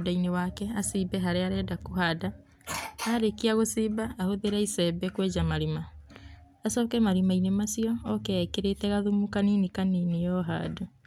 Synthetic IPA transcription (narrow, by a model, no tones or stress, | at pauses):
dainewakɛasibɛɦaɾeaɾɛdakuɦada | aɾekiaɣosibaahoðeɾaisɛbɛkwɛd͡ʒamaɾimaː | sɔːkɛmaɾimainemasiɔːkɛkeɾetɛɣaðumukaniːnikaninejɔɦa̰ːdo